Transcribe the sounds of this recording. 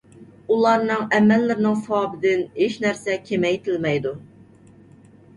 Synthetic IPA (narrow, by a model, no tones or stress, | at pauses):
ulˠɑɾnɨŋɛmːɛlːɪɾɪnɪŋsɑːbɪd̪ɪnheʃnæɾsɛkʲʰemɛjt̪ʰɪlmɛjd̪u